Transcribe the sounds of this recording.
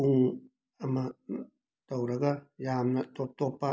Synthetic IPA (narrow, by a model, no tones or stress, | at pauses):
uŋ | amã | t̪awɾaɡajamnat̪ot̪opa